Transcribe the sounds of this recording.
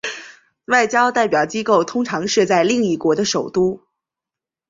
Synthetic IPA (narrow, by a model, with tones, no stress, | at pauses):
wa˥˩ɪt͡ɕjɑ˥ʊt̪a˥˩ɪpjɑ˨˩ʊt͡ɕi˥ko˥˩ʊt̪ʰʊ˥ŋʈ͡ʂʰɑ˧˥ŋʂɤ˥˧t͡sa˥˧ɪli˥˧ŋi˥˩kwɔ˧˥d̪ə˧ʂo˨˩ʊt̪u˥